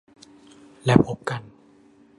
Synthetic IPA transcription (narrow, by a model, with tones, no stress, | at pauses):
lɛː˦˥˩pʰo˦˥p̚ka˧n